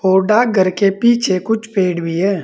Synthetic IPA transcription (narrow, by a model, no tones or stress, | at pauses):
oːɖaɡʱəɾkepiːt͡ʃʰekʊt͡ʃʰpeːɽbiɦɛː